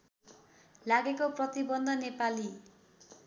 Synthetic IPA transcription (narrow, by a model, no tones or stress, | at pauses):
laɡekoprʌt̪ibʌnd̪ʱʌnepali